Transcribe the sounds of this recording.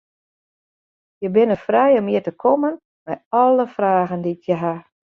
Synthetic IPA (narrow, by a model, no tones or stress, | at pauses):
jəbɪnəfrɛjɔmiətəkʰɔmən | mɛjɔlˠəfraːɣəndikjəɦa